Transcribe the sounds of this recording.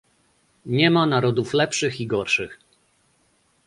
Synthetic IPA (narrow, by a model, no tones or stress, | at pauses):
ɲɛmanaɾɔd̪uflɛpʂɘxiɡɔɾʂɘx